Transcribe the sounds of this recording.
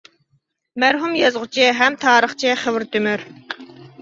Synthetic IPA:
mæɾɦumjɑzʁʊt͡ʃʰɪɦɛmt̪ʰɑːɾəχt͡ʃʰɪχəwɾt̪ʰymyɾ

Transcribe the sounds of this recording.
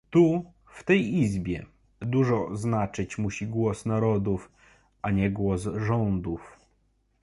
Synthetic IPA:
t̪u | ft̪ɛjizbʲjɛ | d̪uʐɔznat͡ʂɘt͡ɕmuɕiɡwɔsnaɾɔd̪uf | ʔaɲɛɡwɔsʐɔnd̪uf

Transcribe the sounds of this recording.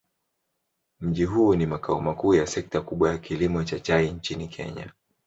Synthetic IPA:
m̩ʄiɦuːnimakaɔmakuːjasɛk̚takuɓwajakilimɔt͡ʃat͡ʃaiɲt͡ʃinikʰɛ̰ɲa̰

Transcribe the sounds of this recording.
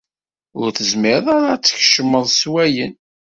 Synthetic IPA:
ʊɾθəzmɪɾðˤɑɾat͡sːə̥çʃəmːəðˤswæjən

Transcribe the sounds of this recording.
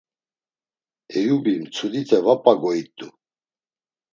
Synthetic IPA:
ɛjubimt͡sʰud̪it̪ʰʼɛvapʼaɡɔit̪ʼːu

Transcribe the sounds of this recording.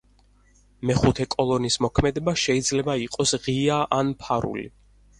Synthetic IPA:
mɛχut̪ʰɛkʼɔlˠɔnismɔkʰmɛd̪ɛbaʃɛid̪zlɛbaiqʼɔsʁiaʔanpʰaɾṵlḭ

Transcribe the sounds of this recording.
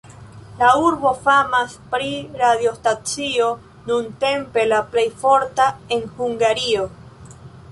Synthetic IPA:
lauɾβo̞famaspɾiɾaðjost̪at͡sio | nũnt̪empelaplejfoɾt̪aenhuŋɡaɾio

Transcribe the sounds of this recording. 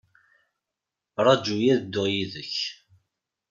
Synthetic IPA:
ɾˤɑd͡ʒujæðəd̪ːʊʁjiðəç

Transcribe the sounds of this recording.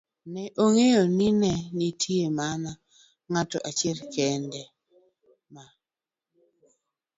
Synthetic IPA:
nɛʔoŋejonɪnɛnitʰiemana | ŋatɔ̰ʔat͡ʃɪɛlkɛndɛ | ma

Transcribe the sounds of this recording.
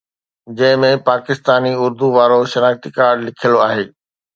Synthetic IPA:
d͡ʑɐ̃ɦɪ̃mẽpaːkɪst̪aːniʊɾd̪uʋaːɾoʃɐnaːxt̪ikaːɾɖlɪkʰiəloaːɦeː

